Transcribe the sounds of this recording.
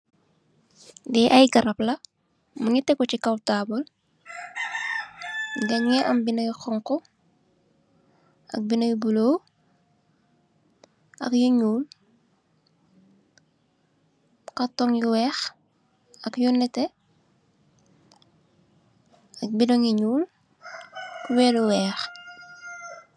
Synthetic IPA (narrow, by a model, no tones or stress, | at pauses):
dɛʔɐjɡɐɾɐplɐ | muɲitɛkːɔt͡ʃikɐwtaːbɔl | ɡɐŋɛʔɐmbinɐjxɔŋkɔ | ɐ̰k̚binɐjbulow | ʔɐ̰kjuɲuːl | kɐtːɔŋjuwɛːx | ɐkjunɛtɛ | ɐk̚binɔŋjiɲuːl | kwɛluwɛːx